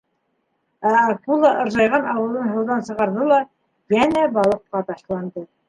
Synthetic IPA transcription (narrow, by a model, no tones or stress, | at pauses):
æːkulˠɑʔɤ̆ɾʒɑjʁɑnɑwɤ̆lˠɤnɦɤ̆wðɑnsɤ̆ʁɑɾðɤlˠɑ | jænæbɑlˠɤ̆qːɑt̪ɑʃlˠɑnd̪ɤ